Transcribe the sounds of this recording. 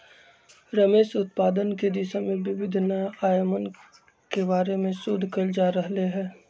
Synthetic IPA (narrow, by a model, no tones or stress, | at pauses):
ɾəmeːʃʊt̪̚paːd̪ənked̪ɪʃamẽʋɪʋɪd̪ʱnaaːjmən | kebaːɾemẽsʊd̪ʱkəld͡ʒaːɾɐɦleɦɛ̃ː